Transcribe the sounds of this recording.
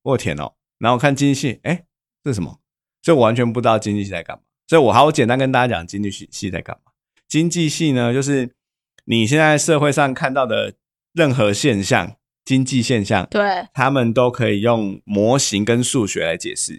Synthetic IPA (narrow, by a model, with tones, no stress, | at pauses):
wɔ˥˩t̪ʰjɛ̰˨˩nɔ̰˨˦ | na˨˦xo˥˨˩kʰa˥˨nt͡ɕi˥ni˥˩ɕi˥˩e˥˩ɪ | ʂ̩˥˩˨ʂə˧˦mɔ̰˨˩ | swɔ˧˥i˨˩wa˧˦nt͡ɕʰɥɛ˧˦np̬u˧˥t̪ɑ˥˩ʊt͡ɕi˥nt͡ɕi˥˧ɕi˥˩t͡sa˧ɪa̰˥˩nma̰˨˩swɔ˧˥i˨˩wɔ˨˩a˧˥ɪjo˧˥t͡ɕjɛ˨˩nt̪a˥nkə˥nt̪a˥˧˩t͡ɕa˥t͡ɕjɑ˨˩ŋt͡ɕi˦ni˥˧˩i˥˧˩ɕi˥˧˩t͡sa̰˧ɪka̰˥˩nma˨˩ | t͡ɕi˦˥nt͡ɕi˥˧ɕi˥˩nə˨t͡ɕjo˥˧ʊʂ̬ɻ̩˥˩ | ni˨˩ɕ̬jɛ˥˧nt͡sa˥˧ɪʂɤ˥˧xwe˥˧ɪʂɑ˥˧ŋkʰa˥˧nt̪ɑ˥˩ʊd̪ə˨˩ | ɻə˥˩nxɤ˧˦ɕjɛ˥˧nɕjɑ̰˥˨ŋ | t͡ɕi˦˥nt͡ɕi˥˧ɕjɛ˥˧nɕjɑ̰˥˨ŋt̪we˥˩t̪ʰa˦mə˨nt̪o˥ʊkʰɤ˧˦˥i˨˩jo˥˩ŋmwɔ˧˥˦ɕi˧˥ŋkə˦nʂu˥˨ɕɥɛ˧˦la˧˥ɪt͡ɕjɛ̰˨˩ʂɻ̩˥˩